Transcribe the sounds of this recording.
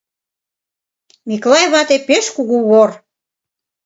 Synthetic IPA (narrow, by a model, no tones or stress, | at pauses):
miklɑjβɑt̪epeʃkuɣuβor